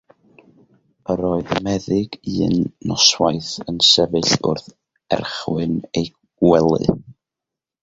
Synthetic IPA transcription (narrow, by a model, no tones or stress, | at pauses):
əɾɔɨðəmɛðɪɡ̥ɨːnːɔswajθənsɛvɨɬʊ̰rθ | ɛ̰rχwɨnej | ɡ̥wɛlˠɨ̰